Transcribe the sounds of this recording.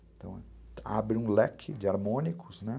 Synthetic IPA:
t̪ɐ̃w̃ɛa̰bɾɪũlɛkʰɪd͡ʒɪaɾmõnikʰʊznɛ

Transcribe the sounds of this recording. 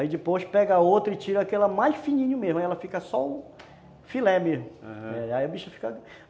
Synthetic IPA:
id͡ʒɪpojʃpɛɡɐaot̪ɾɐɪt͡ʃiɾɐakelɐmajʃfinĩɲʊmeʒmɐaiɛlɐfikɐsɔʊ | filɛmezmʊnɛiaiɐbiʃɐfi̥kɐ

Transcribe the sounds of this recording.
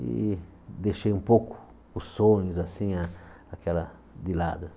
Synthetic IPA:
ḭ | d̪eʃejũmpokʊ̥ | ʊsːõɲʊzasĩaakɛlɐ | d̪ɪla̰d̪ɐ

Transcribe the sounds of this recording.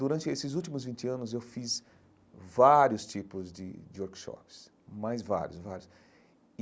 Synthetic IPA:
d̪uɾɐ̃nt͡ʃɪesɪzuwt͡ʃimʊzvĩnt͡ʃɪɐ̃nʊzewfiz | vaɾjʊst͡ʃipʊzd͡ʒɪ̰d͡ʒɪoɾkʃɔ̰pɪ̥s | majzva̰ɾjʊsvaɾjʊs

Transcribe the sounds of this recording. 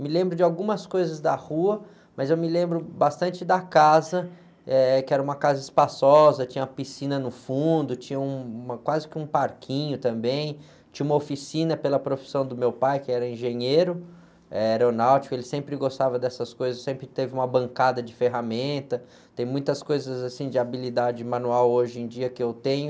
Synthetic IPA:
mɪlẽmbɾʊd͡ʒɪawɡũmɐskojzɐzd̪ɐhuɐ | mɐzewmɪlẽmbɾʊbast̪ɐ̃nt͡ʃɪd̪ɐkazɐ | ɛkɪɛɾɐũmɐkazɐɪspasɔzɐt͡ʃĩɲɐumɐpisĩnɐnʊfũnd̪ʊt͡ʃĩɲɐũmɐkwazɪkɪũpaɾkʰĩɲʊt̪ɐ̃mbẽj̃ | t͡ʃĩɲɐũmɐofisĩnɐpelɐpɾofi̥sɐ̃w̃d̪ʊmewpajkɪɛɾɐĩʒẽɲeɾʊ | ɛɛɾonawt͡ʃi̥kʊelɪsẽmpɾɪɡost̪avɐd̪ɛsɐskojzɐsːẽmpɾɪt̪evɪũmɐbɐ̃ŋkad̪ɐd͡ʒɪfeɦamẽnt̪ɐ | t̪ẽj̃mũj̃t̪ɐskojzɐzasĩd͡ʒɪabilid̪ad͡ʒɪmɐ̃nuawoʒɪẽj̃d͡ʒiɐkɪewt̪ẽɲʊ

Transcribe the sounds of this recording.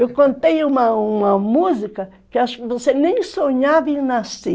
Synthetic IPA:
ewkõnt̪ejũmɐumɐmuzikɐ | kɪaʃvosenẽj̃soɲavinasi

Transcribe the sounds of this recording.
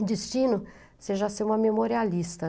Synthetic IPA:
d͡ʒist͡ʃĩnʊ | seʒɐseũmɐmemoɾialist̪ɐ

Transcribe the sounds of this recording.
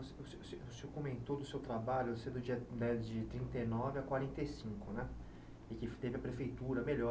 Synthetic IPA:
osesesevosekomẽnt̪od̪ʊsewt̪ɾabaʎʊvosed̪ʊd͡ʒiɐd̪ɛd͡ʒɪt̪ɾĩnt̪ejnɔvɪakwaɾẽnt̪esĩkʊnɛ | ɪkɪft̪evɪɐpɾefejt̪uɾɐmeʎɔ

